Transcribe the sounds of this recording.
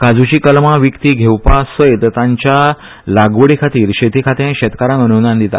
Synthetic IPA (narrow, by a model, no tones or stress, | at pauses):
kad͡zut͡ɕiːkəlmaʋikt̪iːɡʱewpasəjt̪t̪ãɲt͡ɕja | laɡʋəɽikʰat̪iːɾɕet̪ikʰat̪ãɕɛt̪kaɾãŋənunand̪it̪a̰